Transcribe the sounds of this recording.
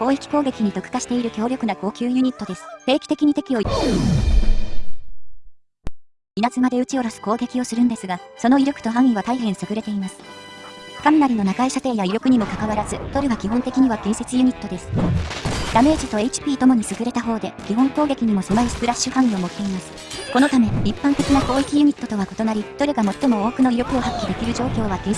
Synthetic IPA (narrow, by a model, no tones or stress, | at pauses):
ko̞ːikʲi̥ko̞ːɡe̞kʲiɲ̟it̪o̞kɯ̟̥kaɕi̥t̪e̞iɾɯ̟kʲo̞ːɾʲo̞kɯ̟nako̞ːkʲɨːjɯ̟ɲ̟it̪ːo̞d̪e̞sɨ̥ɸe̞ːkʲi̥t̪e̞kʲiɲ̟it̪e̞kʲio̞ | inat͡sɨmad̪e̞ɯ̟t͡ɕio̞ɾasɨ̥ko̞ːɡe̞kʲio̞sɨɾɯ̟nd̪e̞sɨɡaso̞no̞iɾʲo̞kɯ̥t̪o̞ɦãɰ̃iβat̪aiɦẽ̞ɰ̃sɨɡɯ̟ɾe̞t̪e̞imasɨ̥ | kamʲinaɾʲino̞nakaiɕat̪e̞ːjaiɾʲjo̞kɯ̟ɲ̟imo̞kakaβaɾazɨd̪̥o̞ɾɯɡakʲiɦõ̞nt̪e̞kʲiɲ̟iβaɡ̥ẽɰ̃se̞t͡sɨjɯ̟ɲ̟it̪ːo̞d̪e̞sɨ̥ | d̪ame̞ːd͡ʑit̪o̞e̞it͡ɕi̥pʲiːt̪o̞mo̞ɲ̟isɨɡɯ̟ɾe̞t̪aɦo̞ːd̪e̞kʲihõ̞ŋkoːɡe̞kʲiɲ̟imo̞semaisɨ̥pɯ̟ɾaɕɨhãɰ̃ĩo̞mo̞t̪ːe̞imasɨ̥ | ko̞no̞t̪ame̞ipːãnt̪e̞kʲinako̞ːikʲijɯ̟ɲ̟it̪ːo̞t̪o̞βako̞̥t̪o̞naɾʲid̪̥o̞ɾe̟ɡamo̞t̪ːo̞mo̞oːkɯ̟no̞iɾʲo̞kɯ̟o̞ɦakʲːid̪e̞kʲiɾɯ̟ʑo̞ːkʲo̞ːβaɡẽ